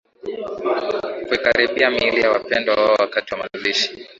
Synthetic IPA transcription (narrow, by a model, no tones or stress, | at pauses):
kuikaɾiɓiamiilijawapɛndwawaawakatiwamaluliʃi̥